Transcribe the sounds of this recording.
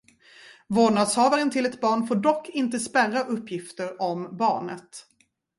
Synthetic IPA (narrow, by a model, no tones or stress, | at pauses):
voːɳad̪shɑːvaɾənt̪ʰɪlɛt̪bɑːɳfoːɖɔkːɪnt̪əspærːaʔɵpːjɪft̪əɾɔmbɑ̰ːɳə̰t̪